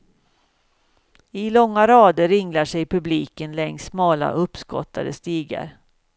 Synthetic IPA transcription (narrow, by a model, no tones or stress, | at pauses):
ɪlɔŋːaɾɑːd̪əɾːɪŋlaʂɛjpʰɵbliːkənlɛŋssmɑːla̰ʔɵpːskɔ̰t̪ʰːa̰d̪ə̰st̪iːɡa̰ɾ